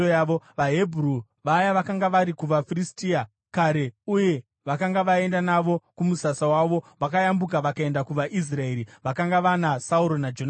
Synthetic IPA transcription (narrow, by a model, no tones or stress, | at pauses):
ojaʋo̞ʋaɦebʱru | ʋajaʋakaŋɡaʋaɾikuʋafiristia | kaɾe̞uje̞ | ʋakaŋɡaʋae̞ndanaʋo̞kumusasawaʋo̞ʋakajambukaʋakae̞ndakuʋaʔis̬rae̞ɾiʋakaŋɡaʋanasauɾonad͡ʒona